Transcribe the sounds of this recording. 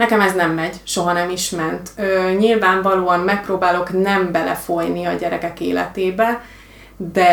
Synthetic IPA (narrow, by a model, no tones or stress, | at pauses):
nɛkɛmɛznɛmːɛɟʃo̞ɦɒnɛmiʃmɛnt̪øɲilvaːɱvɒloːɒmmɛk̚proːbaːlo̞knɛmbɛlɛ̰fo̞jniɒɟɛɾɛkɛkḛːlɛ̰t̪eːbɛ | d̪ɛ